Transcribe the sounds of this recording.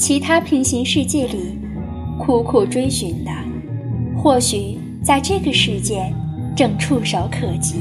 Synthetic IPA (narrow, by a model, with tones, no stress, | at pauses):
t͡ɕʰi˧˥t̪ʰa˥pʰi˧˥ŋɕi˧˥ŋʂɻ̩˥˧t͡ɕjɛ˥˩li˨˩˦ | kʰu˧˥˩kʰu˨˩ʈ͡ʂwe˥ɪɕy˨˩˦nd̪ə˧ | xwɔ˥˩ɕy˨˩˦ | t͡sa˥˧ɪʈ͡ʂɤ˥˩ɡə˩ʂɻ̩˥˧t͡ɕjɛ˥˧ʈ͡ʂɤ˥˧ŋʈ͡ʂʰu˥˧ʂɑ˧˥ʊkʰɤ˨˩t͡ɕi˧˥˦